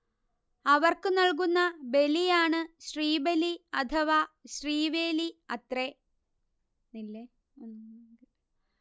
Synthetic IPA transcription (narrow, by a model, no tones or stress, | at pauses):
ɐʋɐrkɨnɐɭk̬unːɐbe̞lijaːɳɨɕriːbeliɐt̪ʰɐʋaːɕriːʋeːliɐt̪re | nilːe | n